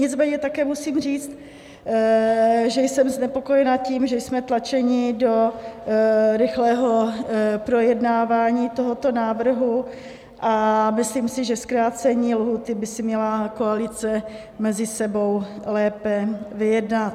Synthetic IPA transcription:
ɲɪt͡smɛːɲɛt̪akɛːmusiːmr̝iːt͡st̪ | ʒɛjsɛmznɛpoko̞jɛnaciːmʒɛjsmɛt̪lat͡ʃɛɲɪdo̞ | ɾɪxlɛːɦo̞pɾo̞jɛdnaːvaːɲiːt̪o̞ɦot̪o̞naːvr̩ɦu | ʔamɪsliːmsɪʒɛskɾaːt͡sɛɲiːlɦuːt̪ɪbɪsɪmɲɛlakoalɪt͡sɛ | mɛzɪsɛbo̞wlɛːpɛvɪjɛdnat̪̚

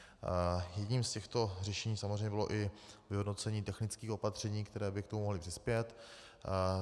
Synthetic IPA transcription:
jɛɟɲiːmscɛxt̪o̞rɛʃɛɲiːsamozrɛjɲɛbɪlo̞̰ʔɪvɪɦodno̞t͡sɛɲiːt̪ɛxnɪt͡skiːxo̞pat̪r̝̥ɛɲiːkt̪ɛɾɛːbɪkt̪omumoɦlɪpr̥ɪspjɛt̪

